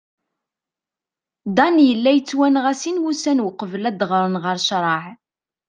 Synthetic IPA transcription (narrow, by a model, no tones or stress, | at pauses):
d̪ɑnjəlːæjət͡sːwænʁæsinwusænwəqəvəlæd̪ʁɾˤənʁəɾʃɾˤɑʕ